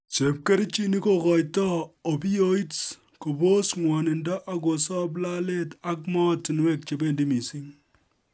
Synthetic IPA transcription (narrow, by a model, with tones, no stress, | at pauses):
t͡ʃe˨p̚ke˦ɾt͡ʃi˦ni˦ko˦kɔ˨jtɔ˦o˨bi˦jo˦i˦t | ko˨bo˦sŋwɔ˨nɪ˨nda˦ʔa˦ɡo˨sɔ˦b̬la˦le˦ta˦k̚mɔ˦ti˨nwe˦k̚t͡ʃe˨be˦ndi˦mi˨si˦ŋ